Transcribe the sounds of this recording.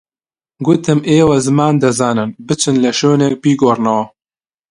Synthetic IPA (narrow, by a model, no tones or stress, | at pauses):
ɡʊt̪ɨmeːwɐzɨmaːnd̪ɐzaːnɨnbɨt͡ʃʰɨnlɐʃoːnek̚biːɡoːrnɐwɐ